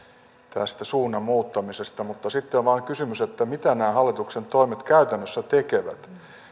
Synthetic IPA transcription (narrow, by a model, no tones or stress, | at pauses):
t̪æst̪æsuːnːɑmuːt̪ːɑmisest̪ɑmut̪ːɑsit̪ːeʋɑːŋkysymyset̪ːæmit̪ænæːhɑlːit̪uksent̪oimet̪kæyt̪ænːøsːæt̪ekeʋæ̰t̪